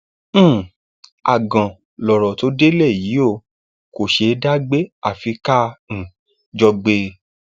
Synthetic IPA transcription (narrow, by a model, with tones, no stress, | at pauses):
a̰˨ɡã˨ | lɔ˨ɾɔ˨to˨˦de˦le˦˨ji˨˦o˦˨ | ko˨ʃe˧da˦ɡ͡be˦a˦˨fi˧kã˦˨ | d͡ʒɔ˧ɡ͡be˧